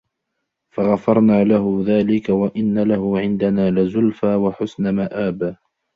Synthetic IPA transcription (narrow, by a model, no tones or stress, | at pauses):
faɣafɑɾˤnaːlaɦʊðaːlɪkawaʔɪnːalahʊʕɪnd̪anaːlɪzʊlfaːwaħʊsnamaʔaːb